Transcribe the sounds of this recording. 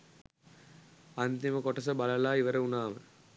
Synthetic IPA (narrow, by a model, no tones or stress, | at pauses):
ɐnt̪imɐkɔʈːɐsɐbɐlɐlaːiʋɐɾɐunaːmɐ